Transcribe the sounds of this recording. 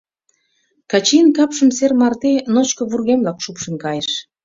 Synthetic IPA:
kɑt͡ɕinkɑpʃəmsermɑrt̪enot͡ɕkə̆βurɣemblɑkʃupʃə̆nkɑjeʃ

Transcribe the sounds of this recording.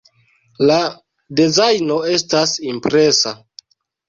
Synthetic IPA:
la | dezajno̞e̞stasimpɾe̞sa

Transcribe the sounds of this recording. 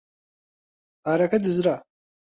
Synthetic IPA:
aɾakadɨzra

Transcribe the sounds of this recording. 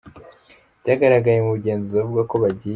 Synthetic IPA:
ɟaːɡaɾaɡajemuβuɟe̞ːnzuavuɡako̞βaɟi

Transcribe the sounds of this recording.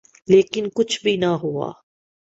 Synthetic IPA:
leːkɪnkʊt͡ʃʰbʱinaɦʊa̰ː

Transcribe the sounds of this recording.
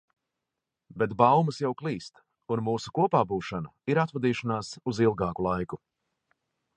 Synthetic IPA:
bet̪bawmɐsjawklˠiːst̪ | unmuːsukuɔpaːbuːʃanɐiɾat̪vad̪iːʃanaːsuzilˠɡɑːkulˠajku

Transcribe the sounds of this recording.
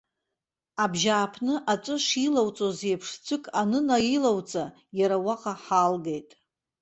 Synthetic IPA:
abʒaːpʰnɨʔat͡ʃʷʼɨʂilawt͡sʼozejpʰʂt͡sʷʰɨkʼanɨnajilawt͡sʼa | jaɾawaqʼaħalɡejtʼ

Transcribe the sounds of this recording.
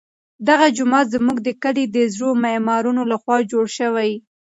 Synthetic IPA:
d̪aɣad͡ʒʊmɑt̪zəmuɡd̪əkaɽid̪əzɾomamɑɾunolaxwɑd͡ʒoɽʃəwaj

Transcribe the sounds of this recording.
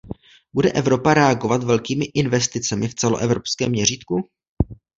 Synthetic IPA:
budɛʔɛvɾo̞paɾɛaɡovat̪vɛlkiːmɪʔɪnvɛst̪ɪt͡sɛmɪft͡sɛlo̞ʔɛvɾopskɛːmːɲɛriːt̪ku

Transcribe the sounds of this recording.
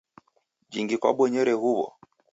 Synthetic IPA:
d͡ʒiŋɡikwa̰ɓwɔɲɛɾɛhuβɔ̰

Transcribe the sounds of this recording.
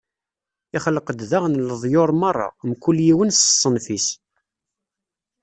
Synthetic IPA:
ɪχələqəd̪ðaʁnləðˤjoɾˤmɑrˤːɑ̰mkːuljiwənsə̥sˤːənfis

